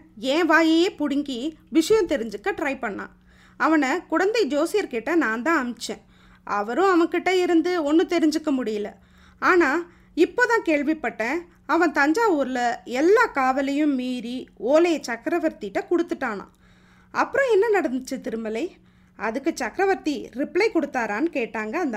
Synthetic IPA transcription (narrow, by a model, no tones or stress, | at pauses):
ẽːʋaːjɐjeːpʊɽɪŋɡiʋɪʂɐjɐ̃t̪ɛɾɪɲd͡ʒɯkːɐʈɾɐɪpɐɳːã̰ː | ɐʋɐnɐkʊɽɐnd̪ɐɪd͡ʒoːsɪjɐɾkeʈːɐnãːnd̪ãːɐmt͡ʃːḛ̃ː | ʔɐʋɐɾʊ̃ɐʋɐkːɪʈːɐɪɾɯnd̪ɯɔnːɯt̪ɛɾɪɲd͡ʒɯkːɐmʊɽɪjɐlɐ | aːnaː | ɪpːoːt̪ãːkeːɭʋɪpːɐʈːẽː | ɐʋɐ̃t̪ɐɲd͡ʒaːuːɾɯlɐɛlːaːkaːʋɐlɐjɯ̃mːiːɾioːlɐjɐt͡ʃɐkɾɐʋɐɾt̪ɪʈːɐkɔɽɯt̪ːɯʈːaːnã̰ː | ɐpːɯɾɔ̃ɛnːɐnɐɽɐnd̪ɯt͡ʃːɯt̪ɪɾɯmɐlɐɪ | ɐðɯkːɯt͡ʃɐkːɾɐʋɐɾt̪iɾɪplɐɪkɔɽɯt̪ːaːɾaːnɯkeːʈːaːŋɡɐːnd̪ɐ